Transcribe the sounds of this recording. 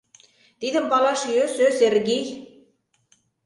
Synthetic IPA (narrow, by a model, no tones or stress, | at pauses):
t̪id̪ə̆mpɑlɑʃjøsøserɡej